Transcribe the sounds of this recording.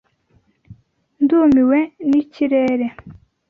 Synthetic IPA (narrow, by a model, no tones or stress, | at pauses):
nd̪umiwɛnit͡ɕʰiɾeɾe